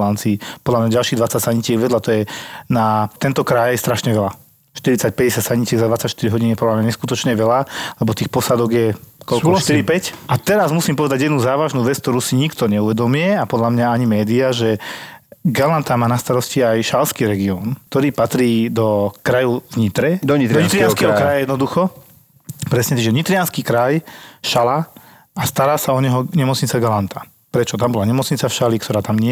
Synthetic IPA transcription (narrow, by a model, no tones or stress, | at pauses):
lant͡siːpɔd̪lamɲaɟalʃiɣd̪ʋat͡sacsaɲicɪɛɡʋɛd̪lat̪ɔjɛnat̪ɛnt̪ɔkɾajɛst̪ɾaʃɲɛʋɛla | ʃt̪iɾit͡sac̚pɛɟɛsjacsaɲicɪɛɡzad̪ʋat͡sːacʃt̪iɾiɦɔɟiniɛpɔd̪lamɲaɲɛskut̪ɔt͡ʃɲɛʋɛlalɛbɔt̪iːxpɔsad̪ɔɡjɛkɔlkɔʃt̪iɾipɛcʔat̪ɛɾazmusiːmpɔʋɛd̪aɟjɛd̪nuːzaːʋaʒnuːʋɛt͡sk̚t̪ɔɾuːsiɲikt̪ɔɲɛuʋɛd̪ɔmiɛapɔd̪lamɲaaɲimɛːd̪iaʒɛ | ɡalant̪amaːnast̪aɾɔsciajʃalskiːɾɛɡiɔːnk̚t̪ɔɾiːpat̪ɾiːd̪ɔkɾajɔvɲit̪ɾɛd̪ɲt̪ɔɲit̪ɾɪanskɛɦɔkɾajajɛd̪nɔd̪uxɔ | pɾɛsɲɛt̪aɡʒɛɲit̪ɾɪanskiːkɾajʃala | ast̪aɾaːsaɔɲɛɦɔɲɛmɔt͡sɲit͡saɡalant̪ʰa | pɾɛt͡ʃɔt̪ambɔlaɲɛmɔt͡sɲit͡safʃalikt̪ɔɾaːt̪amɲɪ